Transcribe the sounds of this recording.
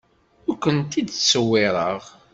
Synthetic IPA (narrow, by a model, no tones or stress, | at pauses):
ʊɾkʷənt̪id̪sːəwːɪɾˤəʁ